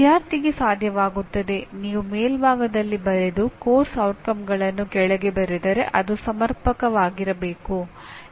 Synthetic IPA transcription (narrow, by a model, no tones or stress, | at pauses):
d̪jaːɾt̪iɡe̞saːd̪ʱjɐʋaːɡut̪ːɐd̪e̞niːʋumeːlbʱaːɡɐd̪ɐlːibɐɾe̞d̪ukoːɾsɐwʈkɐmɡɐɭɐnːukɛɭɐɡe̞bɐɾid̪ɐɾe̞ʔɐd̪usɐmɐɾpɐkɐʋaːɡiɾɐbe̞ːku